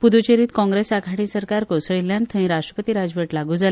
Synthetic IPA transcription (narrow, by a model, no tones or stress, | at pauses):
pud̪ut͡ɕeɾiːt̪kɔ̃ŋɡɾesakʰaʈĩsəɾkaɾkosəɭilːjãnt̪ʰəɦĩɾaʂʈɾəpət̪iːɾad͡zʋəʈlaɡuːd͡zal